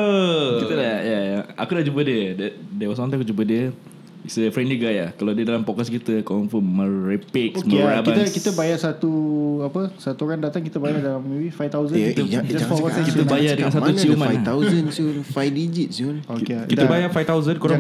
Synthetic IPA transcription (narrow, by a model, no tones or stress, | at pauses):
əkit̪ədajajaa̰kudaʔd͡ʒubədiədɛdɛwɔsɔ̃nĩŋakud͡ʒubədiə | isəfɾɛnd͡ʒiɡajakalawdiədalampɔkaskit̪əkɔnfəmːəɾepɪkoməɾabiat̪əkit̪əbajasat̪uapəsat̪uɾandat̪aŋkit̪əbajadalamiwifajft̪awzəit̪əd͡ʒaɔakit̪əbajadəŋãnsat̪unimãajt̪awzənsulfajdid͡ʒit̪̚siulokekit̪əbajafajft̪awzənkoɾa